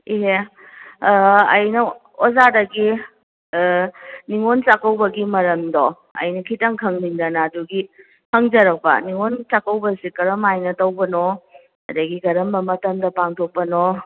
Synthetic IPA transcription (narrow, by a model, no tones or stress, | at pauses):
iɦe | ɐjnɐ | ozadɐɡi | niŋont͡ʃakɐwbɐɡimɐɾɐmdo | ɐ̰jnɐkʰitɐŋkʰɐŋniŋdɐnaːduɡi | hɐŋd͡ʒɐɾɐk̚pɐ̰niŋont͡ʃakɐwbɐsikɐɾɐmajnɐtɐwbɐno | ɐdaɡiɡɐɾɐmbɐmɐtɐmdɐpaŋtʰok̚pɐno